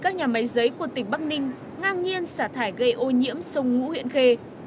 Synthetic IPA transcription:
kaː˦˥k̚ɲaː˨˩ma˨˦jzəː˨˦jku˧˩ət̪ï˨˩ŋ̟ɓa˦˥k̚nï˧ŋ̟ | ŋaː˧ŋɲi˧ənsaː˧˩t̪ʰaː˧˩jɣə˧jʔo˧ɲḭ˧˥əmsə˧wŋ͡mŋṵ˧˥hwḭ˧˨ənxe˧

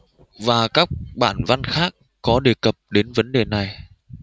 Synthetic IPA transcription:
vaː˨˩kaː˦˥k̚ɓa̰ː˧˩nva˧nxaː˦˥k̚ːɔ˨˦ɗe˨˩kə˨˩p̚ɗe˨˦nvə˨˦nɗe˨˩na˨˩j

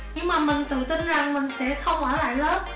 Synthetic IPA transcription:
ɲɨ˧ŋmaː˨˩mï˨˩ŋ̟t̪ɨ̰˧˨t̪i˧nza˨˩ŋmï˨˩ŋ̟sɛ̰˧˥xə˧wŋ͡mʔəː˧˩la̰ː˧˨jləː˨˦˥p̚

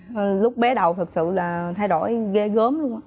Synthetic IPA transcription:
lʊ˦˥k͡p̚ɓɛ˨˦ɗə˨˩wt̪ʰɨ˨˩k̚sɨ̰˧˨laː˨˩t̪ʰa˧jɗo˧˩jɣe˧ɣəː˨˦mlʊ˧əŋ͡mʔaː˨˦

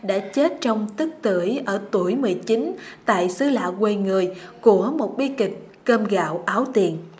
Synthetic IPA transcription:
ɗa̰ː˧˥t͡ɕe˦˥t̚t͡ɕɔ˧wŋ͡mt̪ɨ˦˥k̚t̪ɨ˧˩əjʔəː˧˩t̪u˧˩əjmɨ˨˩əjt͡ɕi˨˦nt̪a̰ː˧˨jsɨ˧˦la̰ː˧˨kwe˧ŋɨ˨˩əjku˧˩əmo˨˩t̚ɓi˧kï˨˩ŋ̟ | kəː˧mɣa̰ː˧˨wʔaː˨˦wt̪i˨˩ən

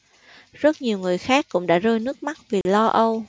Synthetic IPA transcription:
zə˦˥t̚ɲi˨˩əwŋɨ˨˩əjxaː˦˥kːʊ̰˧˥ŋ͡mɗa̰ː˧˥zəː˧jnɨ˦˥ək̚ma˦˥t̚vi˨˩lɔ˧ʔə˧w

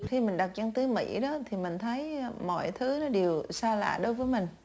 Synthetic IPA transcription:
xi˧mï˨˩ŋ̟ɗa˨˩t̚t͡ɕa˧ŋt̪ɨ˨˦mḭ˧˥ɗɔ˨˦t̪ʰi˨˩mï˨˩ŋ̟t̪ʰə˨˦jmɔ̰˧˨jt̪ʰɨ˨˦nɔ˨˦ɗi˨˩əwsaː˧la̰ː˧˨ɗo˨˦jvəː˨˦jmï˨˩ŋ̟

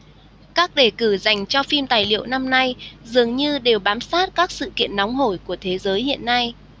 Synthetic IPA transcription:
kaː˦˥k̚ɗe˧˩kɨ˧˩za˨˩jŋ̟t͡ɕɔ˧fi˧mt̪aː˨˩jlḭ˧˨əwna˧mna˧jzɨ˨˩əŋɲɨ˧ɗe˨˩wɓaː˨˦msaː˦˥t̚kaː˦˥k̚sɨ̰˧˨kḭ˧˨ənːɔ˨˦wŋ͡mɦo˧˩jku˧˩ət̪ʰe˨˦zəː˨˦jhḭ˧˨ənːa˧j

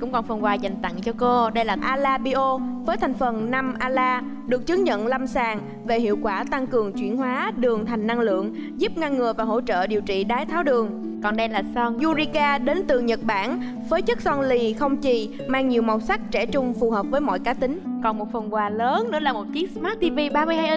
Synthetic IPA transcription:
kʊ̰˧˥ŋ͡mkɔ˨˩nfə˨˩nkwaː˨˧˩za˨˩jŋ̟t̪a̰˧˨ŋt͡ɕɔ˧ko˧ɗə˧jlaː˨˩ʔaː˧laː˧ɓi˧ʔo˧vəː˨˦jt̪ʰŋ̟fə˨˩nna˧mʔaː˧laː˧ | ɗɨ˨˩ək̚t͡ɕɨ˨˦ŋɲə̰˧˨nla˧msaː˨˩ŋ | ve˨˩hḭ˧˨əwkwaː˧˩t̪a˧ŋkɨ˨˩əŋt͡ɕwḭ˧˩ənɦwaː˨˦ɗɨ˨˩əŋt̪ʰa˨˩jŋ̟na˧ŋlɨ̰˧˨əŋ | zu˦˥p̚ŋa˧nŋɨ˨˩əjvaː˨˩ɦo̰˧˥t͡ɕə̰ː˧˨ɗi˨˩əwt͡ɕḭ˧˨ɗaː˨˦jt̪ʰaː˨˦wɗɨ˨˩əŋ | kɔ˨˩nɗə˧jlaː˨˩sɔ˧nzu˧zi˧kaː˧ɗe˨˦nt̪ɨ˨˩ɲə˨˩t̚ɓaː˧˩n | vəː˨˦jt͡ɕɨ˦˥k̚sɔ˧nli˧˩xə˧wŋ͡mt͡ɕi˨˩ | maː˧ŋɲi˨˩əwma˨˩wsa˦˥k̚t͡ɕɛ˧˩t͡ɕʊ˧ŋ͡mfu˨˩həː˨˩p̚vəː˨˦jmɔ̰˧˨jkaː˨˦t̪ï˨˦ŋ̟kɔ˨˩nmo˨˩t̚fə˨˩nkwaː˨˩ləː˨˦nnɨ̰˧˥əlaː˨˩mo˨˩t̚t͡ɕi˨˦˥ək̚smaː˦˥t̚t̪i˧vi˧ɓaː˧mɨ˧jha˧jʔə˧

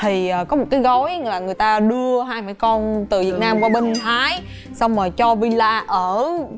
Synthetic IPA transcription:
t̪ʰi˨˩əː˨˩kɔ˨˦mo˨˩t̚kaː˨˦jɣɔ˨˦jlaː˨˩ŋɨ˨˩əjt̪aː˧ɗɨ˧əɦaː˧jmaː˧˩jkɔ˧nt̪ɨ˨˩vi˨˩ət̚naː˧mkwaː˧ɓə˧nhʰaː˨˦j | sa˧wŋ͡mmaː˨˩t͡ɕɔ˧vi˧laː˧ʔəː˧˩

